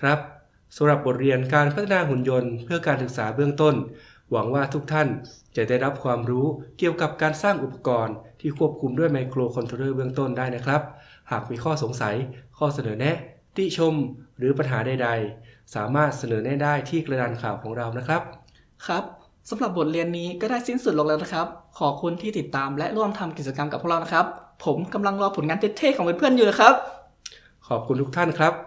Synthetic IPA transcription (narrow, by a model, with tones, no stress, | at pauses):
kʰɾa˦˥p̚ | sa˨˦mɾa˨˩p̚bo˨˩t̪̚ɾi˧ənk̬aː˧npʰa˦˥t̪ʰːa˧naː˧ɦu˨˩njo˧npʰɯ˥˩ɐkaː˧nsɯ˨˩k̚saː˩˦bɯ˥˩əŋt̪o˥˩n | wa˩˦ŋwaː˥˩t̪ʰu˦˥k̚t̪ʰa˥˩nt͡ɕa˨˩da˥˩jɾa˦˥p̚kʰwaː˧mɾuː˦˥ki˨˩əwka˨˩p̚kaː˧nsaː˥˩ŋʔu˨˩pa˧kɔː˧nt̪ʰiː˥˩kʰu˥˩əp̚kʰu˧mdu˥˩əjma˧jkʰloː˧kʰo˧nt̪ʰo˧˦ɾɤː˥˩bɯ˥˩əŋt̪o˥˩ndaː˥˩jna˦˥kʰɾa˦˥p̚haː˨˩k̚miː˧kʰɔː˥˩so˩˦ŋsa˩˦jkʰɔː˥˩sa˧nɤː˩˦nɛ˦˥ʔt̪i˧˩t͡ɕʰo˧mɾɯː˩˦pa˧nɦaː˩˦da˧jda˧jsaː˩˦maː˥˩t̪̚sa˧nɤː˩˦nɛ˦˥˩daː˥˩jt̪ʰiː˥˩kɾa˧da˧nkʰaː˨˩wkʰɔː˩˦ŋɾa˧wna˦˥kʰɾa˦˥p̚ | kʰɾa˦˥p̚ | sa˩˦mɾa˨˩p̚bo˨˩t̪̚ɾi˧ənːiː˦˥kɔː˥˩daː˥˩jsi˥˩nsu˨˩loː˨˩klɛː˧˥wna˥kʰɾa˦˥p̚kʰɔː˨˩kʰu˧nt̪ʰiː˥˩t̪i˨˩t̪ːaː˧mlɛ˦˥ʔɾu˥˩əmt̪ʰa˧mki˨˩t͡ɕa˧ka˧mka˨˩p̚ʰːu˥˨˩la˧na˦˥kʰɾa˦˥pʰːo˩˦mka˧mla˧ŋɾɔː˧pʰo˩˦nŋaː˧t̪ʰe˦˥t̪ʰːeː˥˩kʰːɔː˩˦ŋbɯː˧npʰɯ˥˩ənjuː˨˩na˦˥kʰɾa˦˥p̚ | kʰɔː˨˩p̚kʰu˧nt̪ʰu˦˥k̚t̪ʰa˥˩nkʰɾa˦˥p̚